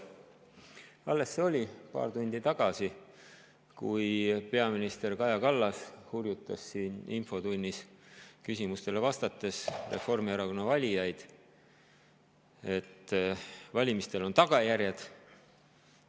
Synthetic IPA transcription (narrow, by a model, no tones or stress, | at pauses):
ɑlːe̞sːeo̞lʲipɑ̰ːrt̪unʲd̪̥it̪ɑɡ̥ɑsi | kujpe̞ɑminist̪e̞rkɑjɑkɑlːɑshurjut̪ːˑɑsːiːninfo̞t̪unʲːiskysimust̪e̞le̞vɑst̪ɑt̪ːˑe̞sre̞̰fo̞rmiɑɾɑko̞nːɑvɑlʲijɑjd̪̥ | e̞t̪ː | vɑlʲimist̪e̞lo̞nt̪ɑɡɑjærjed̪̥